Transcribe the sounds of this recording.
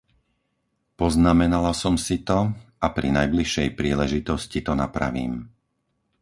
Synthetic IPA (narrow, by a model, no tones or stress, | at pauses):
pɔznamɛnalasɔmsit̪ɔapɾḭnajbliʃɛjpɾiːlɛʒit̪ɔscit̪ɔnapɾa̰ʋḭːm